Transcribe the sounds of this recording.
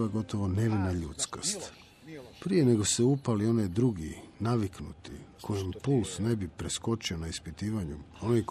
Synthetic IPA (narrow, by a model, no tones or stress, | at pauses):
aɡo̞t̪o̞ʋo̞ne̞ʋinaʎut̪skast̪ | pɾije̞ne̞ɡo̞seupalio̞ned̪ɾuɡinaʋiknut̪ḭkʰo̞jimpulsne̞bipɾesko̞t͡ʃio̞naispit̪iːʋaɲuo̞nijk